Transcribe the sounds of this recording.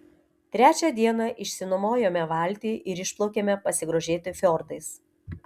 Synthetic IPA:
t̪ʲɾʲæːt͡ʃʲɛd̪ʲiɛnɑʔɪʃʲsʲɪnomoːjomʲɛʋɐˑlʲˑt̪ʲiːʔɪɾɪʃplˠɐʊkʲeːmʲɛpɐsʲɪɡɾoːʒʲeːt̪ʲɪfʲɔɾt̪ɐɪs

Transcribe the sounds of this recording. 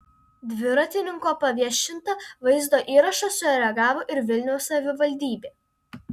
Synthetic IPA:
d̪ʲʋʲɪɾɐt̪ʲɪnʲɪŋkoːpɐʋʲiɛʃʲɪnt̪ɐʋɐɪzd̪oːʔiːɾɐʃɐsʊɾʲɛɡɑːʋoːʔɪɾʋʲɪlʲnʲɛʊsːɐʋʲɪʋɐlʲd̪ʲiːbʲeː

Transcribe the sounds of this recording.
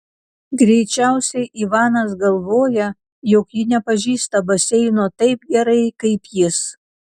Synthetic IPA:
ɡɾʲɛɪt͡ʃʲæˑʊsʲɛɪʔiʋɑːnɐsɡɐlˠʋoːjɛ | jokjɪnʲɛpɐʒʲiːst̪ɐbɐsʲɛɪnoːt̪ɐɪpɡʲɛɾɐɪkɐɪpjɪs

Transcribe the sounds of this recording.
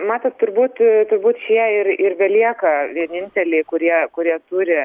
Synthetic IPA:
mɑːt̪ɐt̪tʊɾbuːt̪t̪ʊɾbuːt̪ʃʲiɛɪɾɪrʋʲɛlʲiɛkɐʋʲiɛnʲɪnʲt̪ʲɛlʲeɪkʊɾʲiɛkʊɾʲiɛt̪uːɾʲɪ

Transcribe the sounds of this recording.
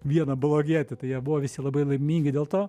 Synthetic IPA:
ʋʲiɛnɐblˠoːɡʲiɛt̪ʲɛt̪ɐɪjiɛbʊʋoːʋʲɪsʲɪlˠɐbɐɪlˠɐɪmʲiːŋʲɡʲɪdʲeːlˠt̪oː

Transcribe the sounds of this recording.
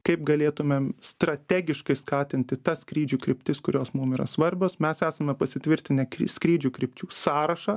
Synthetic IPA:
kɐɪp̚ɡɐlʲeːt̪ʊmʲeːmst̪ɾɐt̪ʲæːɡʲɪʃkɐɪskɑːt̪ʲɪnʲt̪ʲɪt̪ɐskɾʲiːd͡ʒʲuːkɾʲɪpʲt̪ʲɪskʊɾʲoːsmʊmiːɾɐ̰sʋɐɾʲbʲoːsmʲæsæːsɐmʲɛpɐsʲɪt̪ʲʋʲɪɾʲt̪ʲɪnʲɛkiskɾʲiːd͡ʒʲuːkɾʲɪpʲt͡ʃʲuːsɑːɾɐʃɑː

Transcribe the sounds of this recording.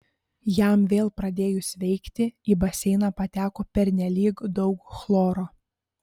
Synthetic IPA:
jæmʋʲeːlˠpɾɐd̪ʲeːjʊsʲʋʲɛɪkt̪ʲɪibɐsʲɛɪnɑpɐt̪ʲæːkoːpʲɛɾʲnʲɛlʲiːkd̪ɒʊkxlˠoːɾoː

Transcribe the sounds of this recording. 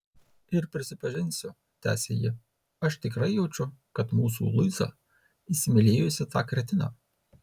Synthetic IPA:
ɪɾpʲɾʲɪsʲɪpɐʒʲɪnʲsʲʊ | t̪ʲæ̰ːsʲḛjɪ | ɐʃt̪ʲɪkɾɐɪjɛʊt͡ʃʲʊkɐt̪muːs̬ṵːlˠʊɪzɑ̰ | isʲɪmʲɪlʲeːjʊsʲɪt̪ɑːkɾʲɛt̪ʲɪnɑ̰ː

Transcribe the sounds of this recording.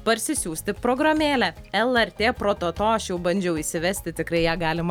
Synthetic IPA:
pɐɾʲsʲɪsʲuːsʲt̪ʲɪpɾoːɡɾɐmʲeːlʲɛɛlˠɛɾʲt̪ʲeːpɾoːt̪oːt̪oːɐʃjɛʊbɐnʲd͡ʒʲɛʊisʲɪʋʲɛsʲt̪ʲɪt̪ʲɪkɾɐɪjæːɡɑːlʲɪmɐ

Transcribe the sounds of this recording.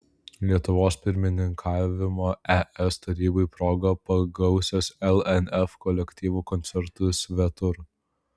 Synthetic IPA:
lʲiɛt̪ʊʋoːspʲɪɾʲmʲɪnʲɪŋkʰɑːʋʲɪmoːɛʔɛst̪ɐɾʲiːbɐɪpɾoːɡopɐɡɐʊsʲoːsɛlˠɛnɛfkɔlʲɛkʲt̪ʲiːʋuːkɔnʲt̪sʲɛɾt̪ʊsʲʋʲɛt̪ʊɾ

